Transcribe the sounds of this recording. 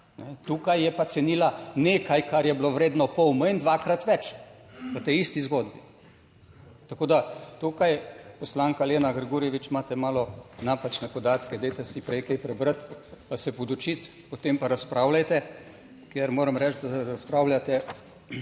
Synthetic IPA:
nʔɛt̪uːkajːɛpat̪sɛniːlaneːkajkaɾjɛbloʋɾeːd̪nɔpɔwməind̪ʋakɾat̪ʋɛt͡ʃ | ʋət̪eist̪izɡod̪bi | t̪akoːd̪at̪uːkajpɔslaːŋkaleːnaɡɾɡuːɾijɛʋit͡ʃmaːt̪ɛmaːlɔnaːpat͡ʃnɛpɔd̪aːt̪kɛd̪ejt̪ɛsipɾɛjkɛjpɾɛbɾət̪pasɛpod̪ɔt͡ʃit̪ | pot̪empaɾaspɾawlajt̪ɛ | kjeɾmoːɾɐmɾɛt͡ʃ̪d̪aɾaspɾaːwlʲjat̪ɛ

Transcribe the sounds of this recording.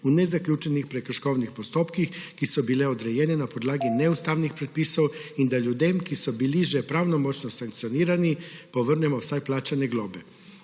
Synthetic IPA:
unezakʎuːt͡ʃenixpɾekɾ̩ʃkownixpost̪oːpkixkisubileod̪ɾejeːnenapod̪laːɡineust̪awnixpɾet̪̚piːsowind̪aʎud̪emkisubiliʒepɾawnomot͡ʃnosaŋk̚t̪sioniːɾanipoʋr̩nɛmosajplaːt͡ʃaneɡloːbe

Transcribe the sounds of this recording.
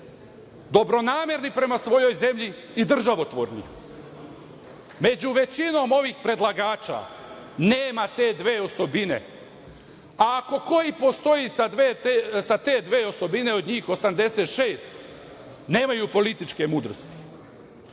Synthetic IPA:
d̪o̞bɾo̞naːmje̞ɾnipɾe̞masʋo̞jo̞jze̞mʎi | id̪r̩ʒaʋo̞t̪ʋoɾnḭ | me̞d͡ʑuʋe̞t͡ɕino̞ːmo̞ʋiːxpɾe̞d̪laɡaːt͡ʃa̰neːmat̪e̞ːd̪ʋe̞ːo̞so̞bine̞̰ | aːko̞ko̞jipo̞st̪o̞jisad̪ʋet̪esat̪e̞ːd̪ʋe̞ːo̞so̞bine̞o̞d̪ɲiːxo̞samd̪e̞set̪ʃeːst̪ | ne̞ːmajupo̞lit̪it͡ʃke̞muːd̪ɾost̪i̥

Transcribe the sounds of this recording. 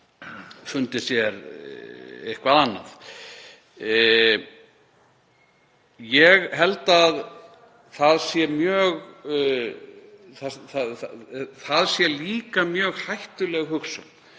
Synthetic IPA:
fʏnt̪ɪsjɛɾ | ehkvaðanːa̰θ | jɛɣhɛlt̪að | θaðsjɛmjœːɣ | θaθaðθaðsjɛliːkamjœːɣhajht̪ʏlɛɣhʏksa̰

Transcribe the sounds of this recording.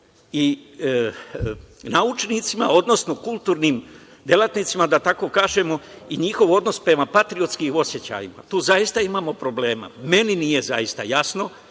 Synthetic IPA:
i | naut͡ʃnit̪sima̰o̞d̪no̞sno̞kulˠt̪uːɾnim | d̪je̞lˠat̪nit̪simad̪at̪ako̞ːkaːʒe̞mo̞iɲixo̞ʋo̞d̪no̞spɾe̞mapat̪ɾio̞t̪skio̞sje̞t͡ɕa̰jima̰t̪uːzaist̪aimaːmo̞pɾo̞ble̞ːma̰me̞ninije̞zaist̪ajasno̞

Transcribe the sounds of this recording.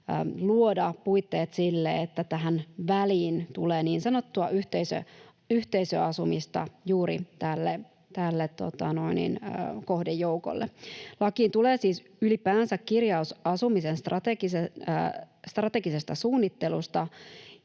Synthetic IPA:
ə̰ːluodɑpuit̪ːeːt̪silːḛet̪ːæt̪æɦænʋæliːnt̪uleːniːnsɑnot̪ːuɑʔyht̪eisø̰ | yht̪eisø̰ɑsumist̪ɑ̰juːɾḭt̪ælːe | t̪ælːet̪tːo̰t̪ɑno̞inḭnːko̞hdejːouko̰lːḛlɑkiːnt̪uleːsiːs | ylipæːnsækkirjɑusɑsumisenst̪rɑt̪eɡise | st̪rɑt̪eɡise̞st̪ɑsuːnːit̪ːelust̪ɑ

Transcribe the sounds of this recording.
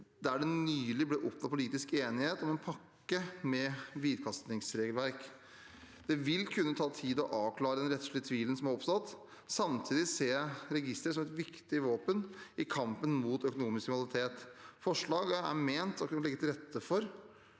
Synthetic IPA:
d̪æɖɛnyːlɪblɪʔɔpːʋɑpʰʊliːt̪ɪskeːnɪheːt̪ɔmɛnpʰɑkːəmɛʋiːd̪kʰɑst̪nɪŋsɾeːɡəlʋæɾk | d̪̥ɛʋɪlkʰʉnːət̪ʰɑːt̪ʰiːd̪ɔʔɑːʋkʰlɑːɾəd̪ɛnɾɛt̪ʂɭɪət̪ʰʋiːlən̩sɔmæɾɔpsɑt̪ː | sɑmt̪ʰiːd̪ɪseːɾɛɡɪst̪ɾəs̬ɔmɛt̪ʋɪkt̪ɪʋoːpənʔɪkʰɑmpənmuːt̪œkʊnuːmɪskmɪnlɪt̪ʰeːt̪fɔʂɭɑːɡæ̰ɾmeːnt̪ɔkɑəlɛɡːət̪ɪlɾɛt̪ʰːəfɔɾ

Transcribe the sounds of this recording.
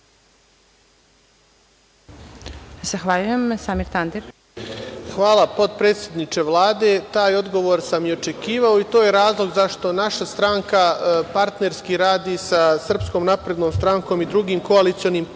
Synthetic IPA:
zaxʋaʎujemsaːmiɾt̪and̪iɾ | xʋaːlˠapo̞t̪̚pɾet̪sʲjed̪nit͡ʃe̞ʋlˠaːd̪e̞t̪aːjo̞d̪ɡo̞ʋo̞ːɾsamjeot͡ʃe̞kiːʋaoit̪oːjeɾaːzlˠo̞ɡzaʃt̪o̞naʃast̪ɾaŋkapaɾt̪ne̞ɾskiɾaːd̪iːsasr̩pskoːmnapɾe̞d̪noːmst̪ɾaŋko̞ːmid̪ɾuɡiːmko̞alit̪sio̞niːm

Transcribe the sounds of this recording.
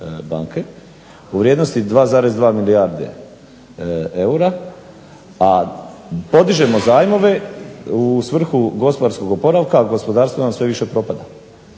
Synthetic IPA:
ba̰ːŋke̞ | uʋɾʲjed̪no̞st̪id̪ʋaːzaːɾezd̪ʋaːmilijaɾd̪ḛ | euɾa | a | po̞d̪iʒe̞mo̞zaːjmo̞ʋe̞usʋr̩xuɡo̞spoaɾsko̞ɡopo̞ɾaʋkaɡo̞spo̞d̪aːɾst̪ʋonamsʋe̞ʋiʃe̞pɾo̞pad̪a

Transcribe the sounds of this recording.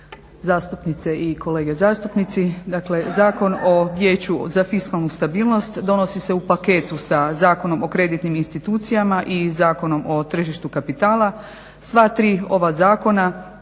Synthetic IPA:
zaːst̪upnit̪seʔiko̞le̞ːɡezaːst̪upnit̪sid̪akle̞zaːko̞no̞ʋjeːt͡ɕuzafiskalˠnust̪abiːlˠno̞st̪d̪o̞no̞sise̞upake̞ːt̪usazaːko̞no̞mo̞kɾe̞d̪it̪niminst̪it̪uːt̪sijamaʔizaːko̞no̞mʔo̞t̪r̩ʒiʃt̪ukapit̪aːla | sʋat̪ɾiːo̞ʋazaːko̞na

